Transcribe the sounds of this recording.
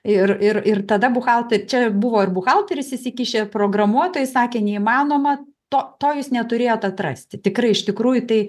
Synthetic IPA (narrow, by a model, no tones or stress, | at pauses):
ɪrɪrɪrt̪ɐd̪ɐbʊxɑlˠt̪ʲet͡ʃʲɛbʊʋoːɪrbʊxɑlˠt̪ʲɛɾʲɪsʲɪsʲɪkʲiːʃʲeːpɾoːɡrɐmuɔt̪oːjɪsɑːkʲeːnʲɛimɑːnoːmɐ | t̪oːt̪oːjuːsnʲɛt̪ʊɾʲeːjoːt̪ɐt̪rɐ̰sʲt̪ʲɪt̪ʲɪkrɐɪɪʃt̪ʲɪkɾuːjʊt̪ɐɪ